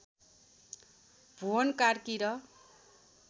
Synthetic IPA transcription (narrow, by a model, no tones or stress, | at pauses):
bʱuʌnkarkiɾʌ